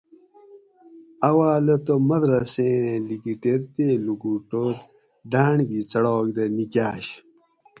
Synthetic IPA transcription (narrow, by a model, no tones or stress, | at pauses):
ɐwaːlɐt̪omɐd̪ɾɐsẽːliɡiʈeɾt̪eːluɡuːʈoːɾ | ɖaːɳɡit͡sɐɽoːkd̪ɐnikaːɕ